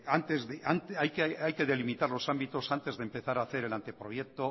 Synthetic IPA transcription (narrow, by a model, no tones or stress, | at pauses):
ant̪ezðeʔant̪ajkeajke̞ðe̞limit̪aɾlo̞sambit̪o̞sant̪e̞zðempe̞θaɾaːθe̞ɾe̞lant̪e̞pɾo̞jek̚t̪o̞